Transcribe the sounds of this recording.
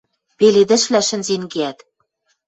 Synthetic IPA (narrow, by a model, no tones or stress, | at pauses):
peled̪ɘ̆ʃβlæʃɘ̆nzenɡeæt̪